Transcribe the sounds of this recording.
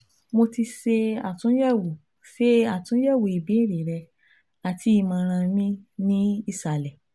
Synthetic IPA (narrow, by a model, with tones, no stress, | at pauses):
mo˧ti˧se˧a˨tũ˨˦jɛ˦˨wo˨ | fe˦a˦˨tũ˨˦jɛ˦˨wo˨i˨bĩ˨˦ĩ˦˨ɾi˨ɾɛ˧ | a˨ti˧˦i˧mã˧ɾ̃ã˧mĩ˧nĩ˦i˦˨sa˨lɛ˨